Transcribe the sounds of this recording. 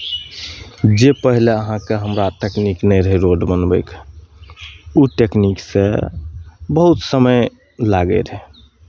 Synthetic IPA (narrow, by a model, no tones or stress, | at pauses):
d͡ʒepəɦileəɦãkeɦəmɾaʈekniknəjɾəɦeɾoɖmənbə̰jk | uʈeknikse | bəɦut̪səməj | laɡḛɾɦe